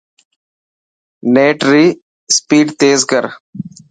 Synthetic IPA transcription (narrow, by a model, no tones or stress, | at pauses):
neːʈɾiː | spiːɖt̪eːzkəɾ